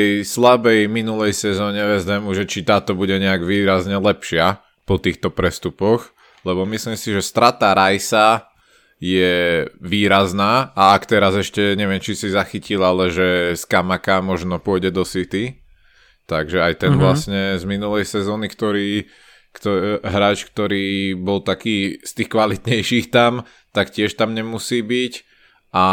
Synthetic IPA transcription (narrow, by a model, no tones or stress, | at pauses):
ɛjslabɛjminulɛjsɛzɔːɲɛvɛzd̪ɛmuʒɛt͡ʃit̪aːt̪ɔbuɟɛɲɛaɡʋiːɾazɲɛlɛpʃɪa | pɔt̪iːxt̪ɔpɾɛst̪upɔx | lɛβɔmisliːmsiʒɛst̪ɾat̪aɾajsa | jɛʋiːɾaznaːaakt̪ɛɾazɛʃcɛɲɛʋɪɛmt͡ʃisizaxicilalɛʒɛskamakamɔʒnɔpʊɔɟɛd̪ɔsit̪i | t̪aɡʒɛajt̪ɛnnʋlasɲɛzminulɛjsɛzɔːnikt̪ɔɾiː | kt̪ɔɦɾaːt͡ʃk̚t̪ɔɾiːbɔlt̪akiːst̪iːxkʋalit̪ɲɛjʃiːxt̪am | t̪akcɪɛʃt̪amɲɛmusiːbic | ʔa